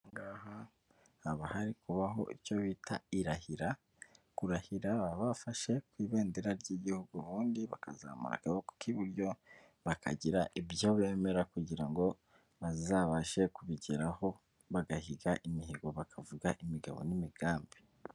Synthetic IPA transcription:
ŋɡaːha | haβahaɾikuβaɦo̞̰ʔico̞βitʰaiɾahiɾa | kuɾahiɾaβaβafaʃe̞kwiːβe̞ːndeɾaɾɟiɟihuɡuβuːndiβa̰ka̰za̰mṵɾa̰kaβoku̥kiβuɾjo̞ | βakʰa̰ɟiɾaʔibjo̞βe̞ːme̞ɾakuɟiɾaŋɡo̞ | βazzaβaʃe̞kuβiɟiɾaho̞ | βaɡahiɡaʔimiɦiɡoβakʰavuɡaʔimiɡaβo̰nimiɡ̥aːmbi̥

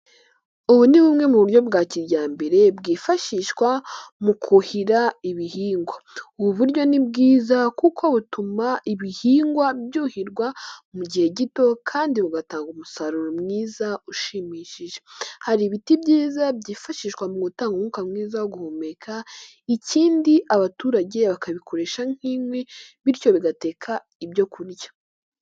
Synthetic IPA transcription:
uβuniβumŋe̞muβuɾɟo̞bɡaːciɾɟaːmbe̞ɾe̞bɡiːfaʃiʃkwamukʰuhiɾaiβihiːŋɡwauβuβuɾɟo̞nib̚ɡiːzakukʰo̞βutumaʔiβihiːŋɡwabjuːhiɾɡwamuɟihe̞ɟito̞kʰaːndiβuɡataːŋɡumusaɾuɾomŋiːzauʃimiːʃiʒe̞̥haɾiβitibɟiːzabɟiːfaʃiʃkwamuɡutaːŋɡumukamŋiːzaoɡuhumekʰa | iciːndiʔaβatuːɾaɟe̞βakaβikʰo̞ɾe̞ʃaŋ̥himweβiɾco̞βiɡate̞kʰa | ibɟo̞kuɾjḁ

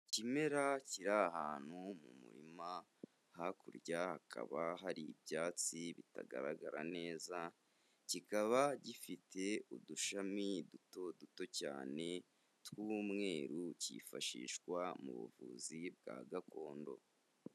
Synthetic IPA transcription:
cime̞ɾaciɾaɦaːn̥humumṵɾḭma | hakuɾɟahakʰa̰βaɦaɾiːbjaːt͡siβita̰ɡa̰ɾaɡaɾa̰ne̞ːza | cikaβaɟifitʰe̞uduʃamiduto̞duto̞ca̰ːne̞ | twuːmŋe̞ːɾucḭfaʃḭːʃkwamṵβṵvuːzib̚ɡa̰ːɡakʰo̞ːndo̞̰

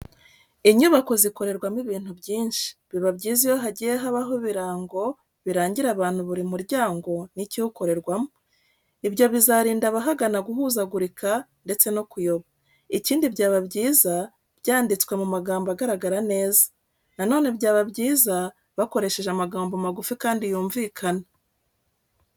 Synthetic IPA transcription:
iɲuβako̞ziko̞ɾe̞ɾɡwamiβiːn̥huβɟiːnʃi̥βiβabɟiːzijo̞ɦaɟijeɦaβaɦo̞βiɾaːŋɡo̞ | βiɾaːɲɟiɾaβaːn̥huβuɾimuɾɟaːŋɡo̞nicihuko̞ɾe̞ɾɡwamo | ibɟo̞βizaɾiːndaβaɦaɡanaɡuɦuzaɡuɾikande̞t͡se̞no̞kujo̞βa | iciːndibɟaːβaβɟiːza | bjaːndit͡swe̞mumaɡaːmbaɡaɾaɡaɾane̞ːzḁ | nano̞ːnebɟaːβabɟiːza | βako̞ɾe̞ʃe̞ʒeamaɡaːmbomaɡufikaːndijuːɱviːkʰana

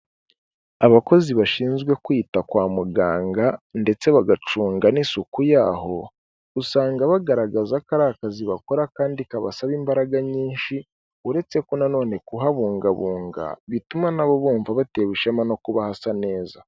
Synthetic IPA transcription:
aβako̞ziβaʃiːnzɡwe̞kwiːtakwaːmuɡaːŋɡande̞t͡se̞βaɡat͡ʃuːŋɡanisukujaːho̞ | usaːŋɡaβaɡaɾaɡazakaɾakaziβako̞ɾakaːndikaβasaβimbaɾaɡaɲiːnʃi | uɾe̞t͡se̞konano̞ːne̞kuɦaβuːŋɡaβuːŋɡa̰βitumanaβo̞βuːɱvaβateβuʃamano̞kuβahasane̞ːza

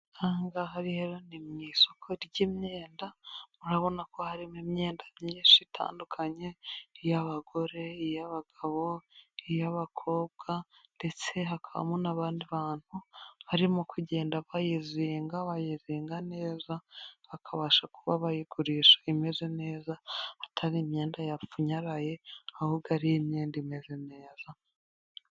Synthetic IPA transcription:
aːŋɡaɦaɾiheɾonimɲiso̞kʰo̞ɾɟimɲeːndamuɾaβo̞nako̞haɾimimɲe̞ːndamɲiːnʃitʰa̰ːndukʰaɲe̞ijaβaɡo̞ɾe̞ijaβaɡ̥aβo̞ijaβakʰo̞ːβ̚ɡande̞t͡se̞ɦakʰaβa̰monaβaːndiβaːn̥huhaɾimukʰuɟe̞ːndaβajiziːŋɡaβajiziːŋɡane̞ːzaβakʰaβaʃakuβaβajiɡuɾiʃḁime̞ze̞ne̞ːzaatʰaɾimɲeːndajauɲaɾaje̞ahuːb̚ɡaɾijemɲeːndime̞ze̞ne̞ːza

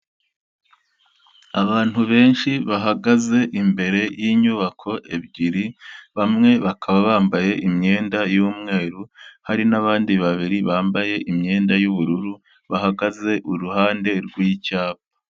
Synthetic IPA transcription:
aβaːn̥huβe̞ːnʃiβaɦaɡaze̞ʔimbe̞ɾe̞jiɲuβakʰo̞ʔe̞bɟiɾiβamŋe̞βakʰaβaβaːmbaje̞ʔimɲe̞ːndajuːmŋe̞ːɾuhaɾinaβaːndiβaβiɾiβaːmbaje̞ʔimɲe̞ːndajuβuɾuɾu | βaɦaɡaze̞ʔuɾuhaːnde̞ɾɡwiːcaːp̚ḁ

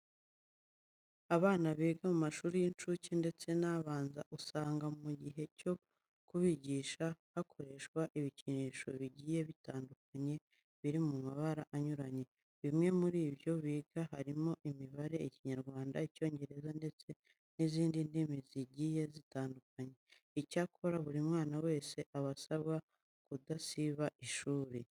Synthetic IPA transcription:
aβaːnaβiːɡamumaʃuːɾijint͡ʃucinde̞t͡se̞naːβaːnza̰ʔusaːŋɡamuɟiɦe̞co̞ | kuβiɟiːʃahakʰo̞ɾe̞ʃkwaʔiβiciniːʃo̞βiɟiːje̞βitaːnduk̚aɲe̞ | βiɾimumaβaɾaʔaɲuɾaɲe̞ | βimŋe̞muɾiːβjo̞βiːɡaɦaɾimo̞ʔimiβaɾe̞iciɲaɾɡwaːndaico̞ːɲɟe̞ɾe̞zande̞t͡se̞ | niziːndindimiziɟiːje̞zitaːnduk̚aɲe̞ | icakʰo̞ɾaβuɾimŋaːnawe̞ːse̞ʔaβasaβɡa | kudasiβaʔiʃuːɾe̞

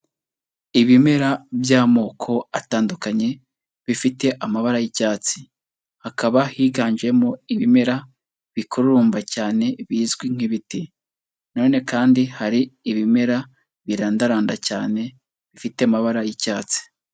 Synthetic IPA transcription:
iβime̞ɾabjaːmo̞ːkʰo̞ataːndukaɲe̞ | βifite̞ʔamaβaɾajicaːt͡si̥ | hakaβahiːɡaːɲd͡ʒe̞moiβime̞ɾa | βikʰuɾuuːmbacaːne̞βiːzɡwiŋ̥iβiti | no̞ːne̞kaːndihaɾiːβime̞ɾa | βiɾaːndaɾaːnda̰caːne̞ | βifite̞amaβaɾajicaːt͡si̥

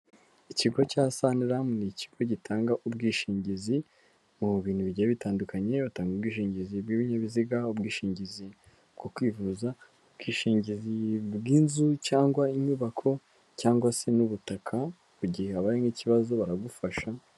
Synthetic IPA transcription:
iciɡo̞casaniɾamunici̥ɡ̥o̞ɟitʰaːŋɡaʔub̚ɡiːʃiːɲɟizi | muβiːnhuβiɟiβitaːndukʰaɲe̞βataːŋɡubɡiːʃiːɲɟizibɡiːβiɲaβiziɡaubɡiːʃiːɲɟizi | bɡokwiːvuza | ub̚ɡiːʃiːɲɟizibɡiːnzucaːŋɡwaiɲuːβakʰo̞ | caːŋɡwase̞nuβutakʰa | kuɟihehaβaɾiŋiciβazo̞βaɾaɡufaʃa

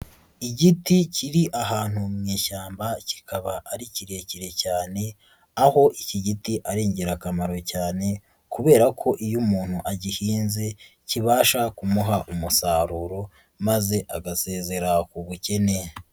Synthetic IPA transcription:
iɟiticiɾiʔaɦaːn̥humŋeːʃaːmbaci̥kʰaβaʔːɾiciɾe̞ːciɾe̞caːne̞ | aho̞ʔiciɟitiʔaɾeːɲɟeɾakamaɾo̞caːne̞ | kuβe̞ːɾakʰo̞ʔijumuːn̥huʔaɟihiːnze̞ | ciβaːʃakumuɦaʔumusaːɾuɾo̞ | maze̞ʔaɡase̞ːze̞ɾakuβuce̞ne̞

